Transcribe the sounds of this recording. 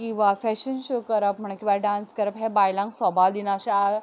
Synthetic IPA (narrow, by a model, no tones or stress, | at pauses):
kĩw̃ʋafɛɕənɕəkəɾəpm̤əɳ̃ẽkĩʋaɖanskəɾəpɦɛ̃bajlãŋksɔbald̪inaɕaa